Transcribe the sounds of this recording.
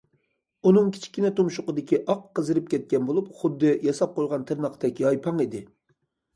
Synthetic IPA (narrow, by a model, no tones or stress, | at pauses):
unɨŋkʲʰi̥t͡ʃʰi̥kʲinɛt̪ʰomʃʊqəd̪ɪkʲiʔɑqːəzɨɾɨp̚kʲʰɛt̪̚kʲɛnbolˠup̚χʊd̪ːɨjɑsɑp̚qojʁɑnt̪ʰɨɾnɑqt̪ɛkʲɑjpʰɑŋid̪ɪ